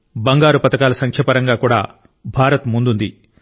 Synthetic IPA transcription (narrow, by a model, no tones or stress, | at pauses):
bɐŋɡaːɾupɐt̪ɐkaːlɐsɐŋkʰjɐpɐɾɐŋɡaːkuːɽa̰ː | bʱaːɾɐt̪mund̪und̪i